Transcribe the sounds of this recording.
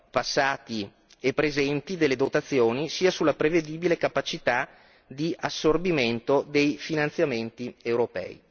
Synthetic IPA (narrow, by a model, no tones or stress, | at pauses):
pasːaːt̪i | epːɾezɛnt̪id̪elːed̪ot̪at̪sːjoːnisiːasulːapɾeved̪iːbilekapat͡ʃit̪a | d̪iʔasːorbiment̪od̪ejfinant̪sjament̪iewɾopɛ̰ːḭ